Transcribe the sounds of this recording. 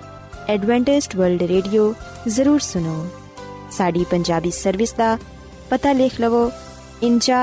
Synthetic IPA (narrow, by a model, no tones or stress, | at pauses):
ɛːɖʋɛ̃ːɳʈɪsʈʋəɾlɖɾeːɖijo | zɐɾuːɾsʊnoː | saːɖipɐ̃ɲd͡ʒaːbisɐɾʋɪsd̪a | pɐt̪aleːkʰlɐʋo | ɪnt͡ʃaː